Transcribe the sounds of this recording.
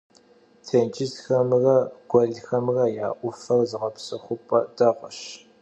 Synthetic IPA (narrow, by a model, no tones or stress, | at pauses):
tʰeːnt͡ʃʰʼɪztxɐmrɐɡ̥ʷɔɮxɐmrɐjaːʔʷʊfɐrzɨʁɐpsɨχʷʊpʼɐdɐʁʷəɕ